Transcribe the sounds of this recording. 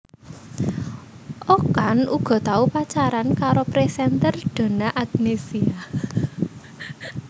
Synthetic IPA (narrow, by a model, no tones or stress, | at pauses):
ʔokanuɡ̥ɔ̤t̪aupat͡ʃaɾankaɾopɾesɛnt̪ərɖ̪̥a̤naʔaɡnesia